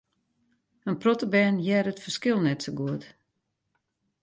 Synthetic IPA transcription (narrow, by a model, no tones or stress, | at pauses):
ənprotəbɛːnjɛrətfərskɪlˠnɛtsoɡuət